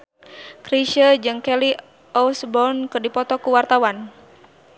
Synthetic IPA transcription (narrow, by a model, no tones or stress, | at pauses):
kɾiʃəd͡ʒɨŋkɛli | ɔsbɔnkɨrdipɔt̪ɔkuwart̪awan